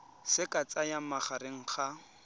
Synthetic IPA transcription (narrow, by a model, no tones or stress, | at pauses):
sɪkʼat͡sʼajamaχaɾɪŋ̩χa